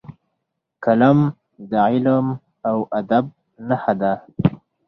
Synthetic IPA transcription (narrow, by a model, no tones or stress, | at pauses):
kalam | d̪aʕilam | awʔad̪ab̚ | nahad̪a